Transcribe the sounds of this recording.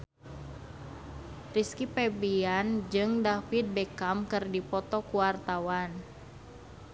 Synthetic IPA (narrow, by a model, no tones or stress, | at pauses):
riskipɛbiand͡ʒɨŋdafit̪̚bɛkamkɨrdipɔt̪ɔkuwart̪awan